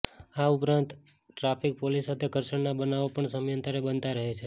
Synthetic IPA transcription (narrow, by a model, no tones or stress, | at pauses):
aupɾãnt̪ | ʈɾapʰik̚polisːat̪ʰekəɾsəɳnabənaʋopəɳsəmjənt̪əɾebənt̪aɾəɦet͡ʃʰe